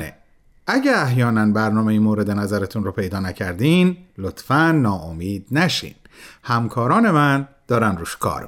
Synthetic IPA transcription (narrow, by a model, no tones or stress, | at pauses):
ḛ | æɟæɾæhjɒːnænbæɾnɒːme̞jiːmoːɾe̞d̪e̞næzæɾet̪ʰunɾɔːpʰe̞jd̪ɒːnæcʰæɾd̪iːnlot̪fænːɒːʔomiːd̪næʃḭːn | hæmkʰɒːɾɒːne̞mænd̪̥ɒːɾænd̪ɾuːʃkʰɒ̰ːɾ